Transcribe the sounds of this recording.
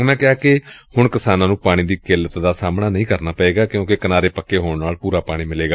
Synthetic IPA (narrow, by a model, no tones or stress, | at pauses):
mɛ̃ːkɪɦaːkɪhʊɳkɪsaːnãːnũːpaːɽ̃iːd̪iːkeːlət̪d̪aːsaːmnaːnəĩːkəɾnaːpəeːɡaːkɪjõːkɪkənaːɾeːpəkːeːɦoːɳnaːlpuːɾaːpaːɽ̃iːmɪleːɡaː